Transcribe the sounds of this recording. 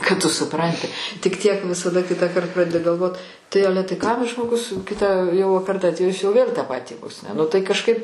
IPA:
kɐt tʊ sʊˈprɐnʲtʲɪ tʲɪk ˈtʲiɛk ʋʲɪsɐˈdɐ ˈkʲɪtɑːˌkɐrt ˈprɑːdʲɛdʲɪ ɡɐlˠˈʋoːt tɐɪ ˈɑːlʲɛ tɐɪ kɐmʲ ʒmoːˈɡʊs ˈkʲɪtɑː jɛʊ pʲɛr ˈdɐnʲtʲiː jɪs jɛʊ ʋʲeːlʲ tɑː ˈpɑːtʲiː ʋoːs nʲɛ nʊ tɐɪ kɐʃˈkɐɪp

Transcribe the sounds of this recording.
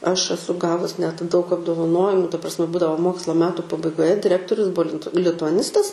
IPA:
ˈɐʃ ɐˈsʊ ˈɡɑːʋʊs nʲɛt dɐʊk ɐbdoːʋɐˈnoːjɪmʊ tɐ prɐsʲˈmʲɛ ˈbuːdɐʋoː ˈmoːkslˠɐ ˈmʲæːtʊ pɐbɐɪɡoːˈjɛ dʲɪˈrʲæːktoːrʲʊs ˈbʊɐ lʲɪnt lʲɪtʊɐˈnʲɪstɐs

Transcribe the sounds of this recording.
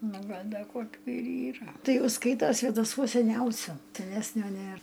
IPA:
ˈnʊ ˈɡɐlʲ ˈdɐ ˈkoːkʲʊ ɪr ˈiːrɐ ˈtɐɪ ˈjɛʊ ˈskɐɪtoː sʲʋʲeːdɐˈsuɔs sʲɛˈnʲɛʊsʲʊ sʲɛˈnʲæːsʲnʲoː ˈnʲeːr

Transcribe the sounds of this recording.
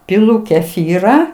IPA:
pʲɪˈlˠʊ kʲɛˈfʲiːrɑː

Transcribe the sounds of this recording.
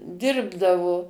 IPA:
ˈdʲɪrbdɐʋoː

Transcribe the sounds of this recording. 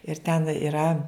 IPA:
ɪr tʲɛn ɪˈrɐ

